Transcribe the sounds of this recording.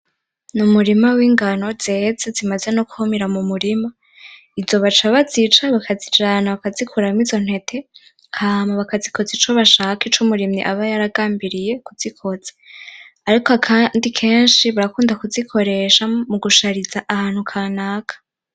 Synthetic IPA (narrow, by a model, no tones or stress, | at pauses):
numuɾimawiːŋɡano̞z̥e̞ːzezimaze̞no̞kuhomiɾamumuɾima | izo̞βat͡ʃaβazit͡ʃaβakazid͡ʒaːnaβakazikuɾamiz̥o̞n̥he̞tʰe̞ | ŋhʰaːmaβakaziko̞zit͡ʃoβaʃaːkit͡ʃumuɾimɲḭʔaβajaɾaɡaːmbiɾije̞kuz̥ikʰo̞z̥e̥ | aɾikoakʰandikʰe̞ːnʃiβaɾakuːndakuzikʰo̞ɾe̞ʃamuɡuʃaɾizaʔahaːn̥hukʰaːnaːkʰḁ